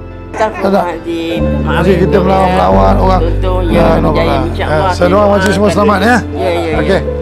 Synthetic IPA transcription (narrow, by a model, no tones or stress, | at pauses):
tana | mas̬ɪkit̪əməlawanməlawanoɣaŋanɔalasajdoamat͡ʃiʔs̬əmasəlamat̪̚nja | oke